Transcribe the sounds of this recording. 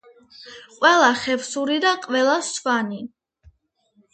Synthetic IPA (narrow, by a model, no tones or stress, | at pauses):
qʼwɛlˠaχɛvsuɾid̪aqʼwɛlˠasvani